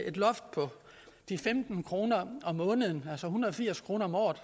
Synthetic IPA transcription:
e̝d̥lɒ̽fd̥̚pʰɒ̽ | d̥ifemd̥n̩kʰʁo̝ːnɐɒ̽mːɔ̽ːnəð̞̩ˠn̩ælsɒhunɐð̩ˠɒ̽fiɐ̰skʰʁo̝ːnɐɒ̽mɒ̰ːð̩ˠ

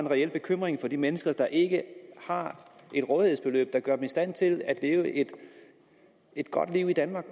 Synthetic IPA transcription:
enʁɛel̰b̥e̝kʰøm̰ʁeŋfɒ̽d̥imenəsɡ̥ɐd̥ɑ̈ʔe̝ɡ̥əhɑ̈ʔe̝d̥ʁɔ̽ːðˠiheð̰ˠsb̥e̝lø̰ːb̥̚d̥ɑ̈ɡ̥ɶɐd̥emisd̥æn̰t͡sʰe̝læd̥leːʊəʔe̝d̥ | e̝d̥ɡ̥ɒ̽d̥liʊ̰id̥ænmɑ̈ːɡ̥

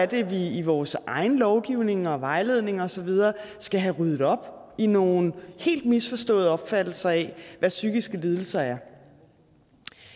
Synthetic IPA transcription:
æɐd̥e̝ʋiiʋɒːsʔɑ̈ɪnəlɒʊɡ̥iʊne̝ŋɒ̽ʋɑ̈ɪle̝ð̞̰ˠne̝ŋɒ̽sɒ̽ʋið̞ˠɐːsɡ̥æɦæʁyð̞ˠð̩ˠɒ̽b̥ino̝ːn̩he̝̰ːld̥̚misfɒ̽sd̥ɔ̰̽ːðˠɒ̽b̥fæd̥l̩sɐɛʋæsyɡ̥isɡ̥əle̝ð̞ˠl̩sɐæɐ

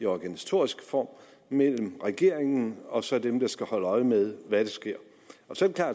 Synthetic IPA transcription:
iɒɡ̥ænisæ̥t͡sʰo̝ɐisɡ̥fɒ̰ːm | mel̰m̩ʁɛɡ̥e̝ɐ̰eŋn̩ɒ̽sɒ̽d̥emd̥ɑ̈sɡ̥æhɒ̽l̰əɒ̽ɪmeðˠʋæɾ̥esɡ̥e̝ɐ̰ | ɒ̽sɒ̥e̥kʰlɑ̰̈ː

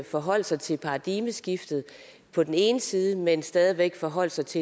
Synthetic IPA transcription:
fɒ̽ɦɒ̽l̰sɑɪt͡sʰe̝lpʰɑ̈ːd̥iməsɡ̥ifd̥ð̞̩ˠ | pʰɒ̽d̥ene̝ːnəsiːðˠəmensd̥ɛːðˠiʋeɡ̥fɒ̽ɦɒ̽l̰sɑ̈ɪt͡sʰe̝

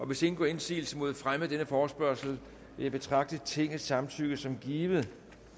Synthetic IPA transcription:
ʔɒ̽ʋe̝se̝n̩ɡ̥ɒe̝nsḭːl̩səmo̝ð̞ˠfʁamð̩ˠd̥enəfɒːsb̥ɶɐ̰sl̩ | ʋe̝jɪb̥e̝t͡sʰʁɑ̈ɡ̥̚d̥ət͡sʰe̝ŋ̰̩ˠsɑ̈mnt͡sʰyɡ̥̩sɒ̽mɡ̥iːʋð̩ˠ

